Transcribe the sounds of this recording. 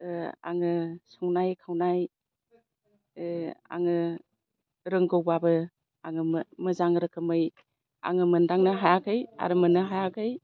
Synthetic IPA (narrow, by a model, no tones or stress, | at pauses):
a̰ŋɯsɔŋnajkʰawnaj | a̰ŋɯ | ɾɯŋɡɯwbabɯ | aŋɯmmɯzaŋɾɯkʰɯmɯj | a̰ŋɯmɯndaŋnɯɦajaɡɯja̰ɾɯmɯnːɯɦajaɡʰɯj